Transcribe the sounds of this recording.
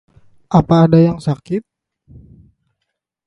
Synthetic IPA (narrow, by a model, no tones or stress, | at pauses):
ʔapaːdajaŋsakɪt̪̚